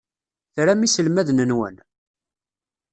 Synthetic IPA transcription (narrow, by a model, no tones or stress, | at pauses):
θɾæmisəlmæðnənwə̰n